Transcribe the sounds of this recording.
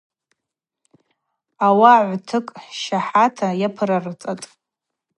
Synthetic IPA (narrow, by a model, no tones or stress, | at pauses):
awaʕʷtʰɨkʼʃaħatʰajapʰɨɾarɨt͡sʼatʼ